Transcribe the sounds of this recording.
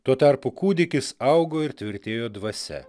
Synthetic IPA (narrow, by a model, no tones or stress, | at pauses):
t̪uɔt̪ɑɾpʊkuːd̪ʲɪkʲɪsɐʊɡoːɪɾt̪ʲʋʲɪɾʲt̪ʲeːjoːd̪ʋɐsʲɛ̰